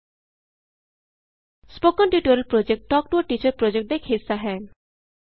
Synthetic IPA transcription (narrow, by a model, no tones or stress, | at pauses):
spokɔnʈiʈuɾelpɾod͡ʒek̚ʈʈɔk̚ʈuɔʈit͡ʃəɾpɾod͡ʒek̚ʈ̚d̪ekʰhisːaɦɛ